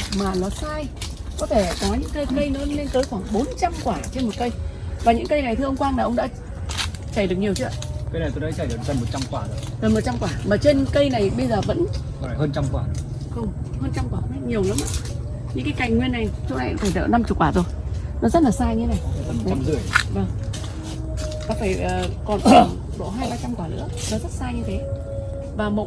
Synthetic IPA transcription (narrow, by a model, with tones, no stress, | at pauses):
maː˨˩nɔ˨˦saː˧jkɔ˨˦t̪ʰe˧˩kɔ˨˦ɲɨ̰˧˥ŋkə˧jkə˧jnɨ̰˧˥le˧nt̪əː˨˦jxwaː˧˩ŋɓo˨˦nt͡ɕa˧mkwaː˧˩t͡ɕe˧nmo˨˩t̚kə˧jvaː˨˩ɲɨ̰˧˥ŋkə˧jna˨˩jt̪ʰɨ˧ʔə˧wŋ͡mkwaː˧ŋnaː˨˩ʔə˧wŋ͡mɗa̰ː˧˥ | t͡ɕa˧˩jɗɨ˨˩ək̚ɲi˨˩əwt͡ɕɨ̰˧˦˧kə˧jna˨˩t̪o˧jnɔ˨˦jt͡ɕa˧˩jɗɨ˨˩zə˨˩nmo˨˩t̚t͡ɕa˧mkwaː˧˩˨zə˨˩nm˨˩t̚t͡ɕa˧mkwaː˧˩maː˨˩t͡ɕe˧nkə˧jna˨˩jɓə˧jzəː˨˩və̰˧˥n˧˩˨ | həː˧nt͡ɕa˧mkwaː˧˩xə˧wŋ͡mhəː˧nt͡ɕa˧mkwaː˧˩ə˧ə˧˦˥ɲi˨˩əwlaː˨˦mʔaː˧ | ɲɨ̰˧˥kaː˨˦jka˨˩jŋ̟ŋwi˧ənːa˨˩jt͡ɕʊ˨˦na˨˧˨t̪ʰəː˧˩t̪ʰə̰˧˨na˧mt͡ɕu˨˩kwaː˧˩o˧˩jnɔ˨˦zə˦˥t̚laː˨˩saː˧ɲɨ˧t̪ʰe˨˦na˨˩jə˨˩m˨t͡ɕa˧mzɨ˨˩əjvaː˨˩ŋŋ͡m | ɗɔ˨˦faː˧˩jʔəː˨˩kɔ˨˩n˨˩ | ɗo̰˧˨ɦaː˧jɓaː˧t͡ɕa˧mkwaː˧˩lɨ̰˧˥ə | nɔ˨˦zə˦˥t̚saː˧ɲɨ˧t̪ʰe˨˦ | vaː˨˩mo̰˨˧˩